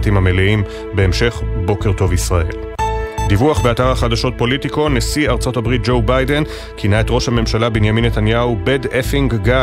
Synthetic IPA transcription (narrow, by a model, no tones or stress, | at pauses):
timameliim | be̞ːmʃe̞χbo̞ke̞ʁto̞visʁaʔe̞̰l | divuaχbe̞ataʁhaχadaʃo̞t̚po̞litiko̞ne̞siaʁt͡so̞tabʁit̚d͡ʒo̞wbajde̞n | kʰinae̞tʁo̞ʃhame̞mʃalabinjaminːetanjaubedefiŋɡɡa